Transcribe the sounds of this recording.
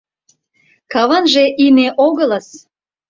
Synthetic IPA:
kɑβɑnʒeʔineʔoɣə̆ləs

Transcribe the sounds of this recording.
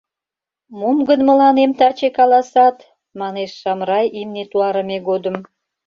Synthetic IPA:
mumɡənmə̆lɑnemt̪ɑt͡ɕekɑlɑsɑt̪ | mɑneʃːɑmɾɑjimnet̪uɑɾəmeɡod̪əm

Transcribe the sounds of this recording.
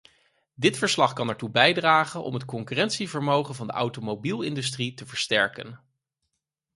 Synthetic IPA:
dɪtfəɹslɑχkɑnɛɹtubɛjdraːχənʔɔ̰mɦətkɔŋkyrɛntsivəɹmowχənvɑndə̰ʔa̰wtomobilˠɪndystritəvəɹstɛɹkə̰n

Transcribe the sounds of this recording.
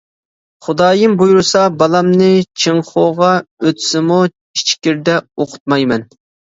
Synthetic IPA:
χʊd̪ɑːjɨmbujuɾsɑbɑlˠɑmnɨt͡ʃʰɨŋχoʁɑøt̪ʰsɪmu | it͡ʃʰkʲiɾd̪ɛoqʰʊ̥t̪̚mɑjmɛn

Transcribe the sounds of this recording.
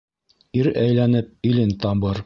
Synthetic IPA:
iɾæjlænɘp̚ilɘnt̪ɑmbɤɾ

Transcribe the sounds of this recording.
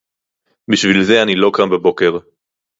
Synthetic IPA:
biʃvilze̞anilo̞kambebo̞ke̞ʁ

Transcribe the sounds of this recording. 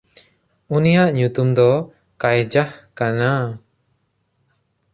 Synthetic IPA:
unijaʔɲut̪umd̪ɔ | kajd͡ʒahkana

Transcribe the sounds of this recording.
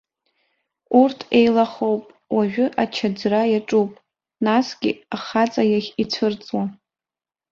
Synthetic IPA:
urtʰejlaχo̞wpʼ | waʒᶣʏʔat͡ʃʰad͡zrajaʈ͡ʂʼupʼ | nasɡʲɪ̰aχat͡sʼajaχʲit͡sʷʰɨrt͡sʼwa

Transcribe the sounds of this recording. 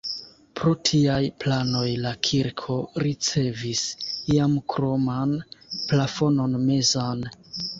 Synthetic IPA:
pɾo̞tʰiajplano̞jlakʰiɾkʰo̞ɾit͡se̞visiamkɾo̞manplafo̞no̞nme̞zan

